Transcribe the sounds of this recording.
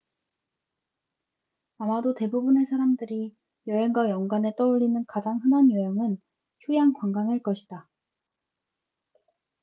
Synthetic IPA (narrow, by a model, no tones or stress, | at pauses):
amadote̞bubune̞sʰaɾamdɯɾi | jʌɦeŋɡwajʌŋɡwane̞t͈ʌuɭːinɯnkad͡ʑaŋɦɯnanjʌjʌŋɯn | t͡ɕʰujaŋkwaŋɡaŋɯɭk͈ʌɕʰid̥a